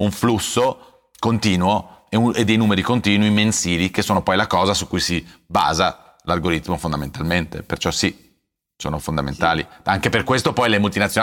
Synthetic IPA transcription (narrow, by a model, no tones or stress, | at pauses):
uɱflusːo | kont̪iːnwoeued̪ːejnuːmeɾikont̪iːnwimensiːlikesːoːnopɔjlakɔːzasukːujsiba̰ːza | larɡoɾit̪mofond̪ament̪alment̪ḛpert͡ʃɔsi | so̰ːnofond̪amḛnt̪aːliaŋkeperkwest̪opɔjlemult̪inat̪sjo